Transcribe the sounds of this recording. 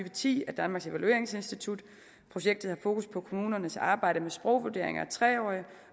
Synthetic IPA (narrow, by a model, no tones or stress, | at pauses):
yːʋət͡sʰḭːæd̥ænmɑ̈ɡ̥se̝ʋælue̝ɐ̰e̝ŋse̝nsd̥it͡sʰud̥ | pʰʁo̝ɕeɡ̥̚d̥ð̩ˠhɑ̈fo̝ːkʰuspʰɒ̽kʰo̝muːnɐnəsɑ̈ːb̥ɑ̈ɪ̰ɾ̥əmesb̥ʁɔʊʋud̥e̝ɐ̰eŋɐæt͡sʰʁɛːɒ̰ːɪi